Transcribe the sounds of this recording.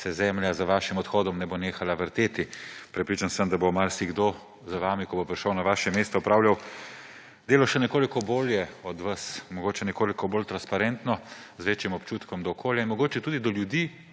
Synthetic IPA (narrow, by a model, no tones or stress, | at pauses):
sɛzɛːmljazʋaːʃimɔt̪xɔːd̪ɔmnɛboneːxalaʋəɾt̪eːt̪ipɾɛpɾit͡ʃansəmd̪abomalsiɡd̪o | zaʋaːmikɔbopɾiʃəwnaʋaːʃɛmeːst̪ɔɔpɾaːwljaw | d̪eːlɔʃɛnɛkoːlikɔboːljɛɔd̪ʋasmɔɡoːt͡ʃɛnɛkoːlikɔbolt̪ɾanspaɾɛnt̪nɔ | zʋeːt͡ʃimɔpt͡ʃuːt̪kɔmd̪ɔːkʰoːljainmɔɡoːt͡ʃɛt̪uːd̪id̪ɔljud̪iː